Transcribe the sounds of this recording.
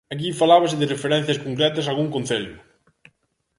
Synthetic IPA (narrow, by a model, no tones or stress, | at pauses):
akifalaβɐsɪðɪrefeɾɛn̟θjɐskoŋkɾɛt̪ɐsalɣuŋkonθeʎʊ